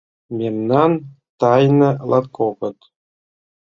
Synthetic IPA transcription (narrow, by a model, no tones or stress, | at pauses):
mʲemnɑn | t̪ɑjnɤ̆lˠɑt̪kʰopɤ̆t̪